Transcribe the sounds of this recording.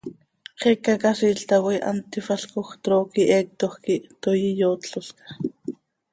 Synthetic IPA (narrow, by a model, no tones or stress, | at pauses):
qekakasiɬt̪awiʔa̰nt̪ifaɬkoxt̪ɾoːkiʔeːk̚t̪ohkit̪ojijoːt͡ɬoɬkḁ